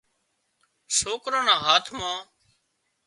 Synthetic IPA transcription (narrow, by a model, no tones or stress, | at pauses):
soːkɾãːnãːɦaːt̪ʰmãː